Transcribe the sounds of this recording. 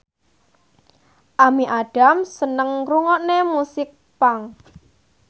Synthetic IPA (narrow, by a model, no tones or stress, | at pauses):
ʔamiʔaɖ̥a̤msənəŋɾuŋɔʔnemusɪk̚ | paŋ